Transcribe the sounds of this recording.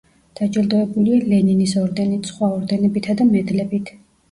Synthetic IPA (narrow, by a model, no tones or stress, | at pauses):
d̪̥ad͡ʒʼild̪ɔɛbulialɛninisɔɾd̪ɛnit̪sχwaɔɾd̪ɛnɛbit̪ʰad̪amɛd̪lɛbit̪ʰ